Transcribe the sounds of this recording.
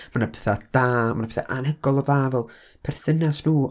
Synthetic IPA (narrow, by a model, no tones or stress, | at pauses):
manapʰe̥θad̥aːmanapʰeθa̰ʔanəɡɔlˠɔðaːvɛlˠ | pʰɛrθɪnasnuː